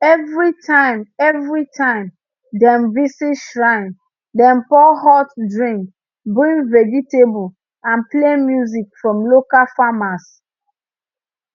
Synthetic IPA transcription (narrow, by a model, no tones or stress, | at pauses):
ɛvɹitʰãɪ̃mɛvɹitʰãɪ̃m | dɛ̃mvisiʃɹãɪ̃n | dɛ̃npɔhɔtdɹĩŋk | bɹĩŋvɛd͡ʒitebu | ãnplemjuzikfɹɔ̃mlokalfamas